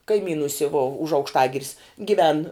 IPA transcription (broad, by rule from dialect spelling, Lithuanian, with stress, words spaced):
kɐɪˈmʲiːnʊsʲɪ ʋoː ʊʃ ɐʊkʃˈtɑːɡʲɪrʲɪs ɡʲɪˈʋʲɛn